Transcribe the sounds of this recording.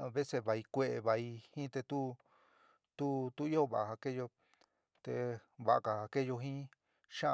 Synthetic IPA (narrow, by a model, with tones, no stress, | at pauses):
βe˦se˧βa˧i˧kʷe˧ʔe˧βa˧i˧hĩ˦t̪e˧t̪u˦ | t̪u˦t̪u˦i˦o˦βa˨ʔa˨ha˧ke˦jo˧ | t̪ḛ˧βa˧ʔa̰˧ka˧a˧ke˦˧jo˧ɦĩ˦ | ʃã˦˧